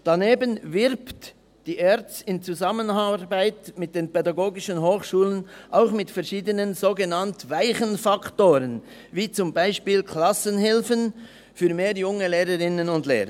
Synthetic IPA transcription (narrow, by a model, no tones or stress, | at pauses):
d̥aneːbənvɪʁpt | d̥iːʔɛʁt͡sɪnt͡suzamənabaɪtmɪt̚d̥eːnpɛdaɡoːɡɪʃənɦoːχʃuːlənʔaʊxmɪtfɛʁʃiːdənənzoːɡənantvaɪχənfaktoːɾən | viːt͡sʊmbaɪʃpiːlkʰlasənhɪlfən | fyːmeːɐjʊŋəleːɾəʁɪnənʊndlḛːɾə